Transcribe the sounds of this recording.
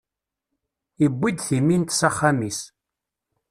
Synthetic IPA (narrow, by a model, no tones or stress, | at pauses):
ibʷːid̪θimːint̪saχːamis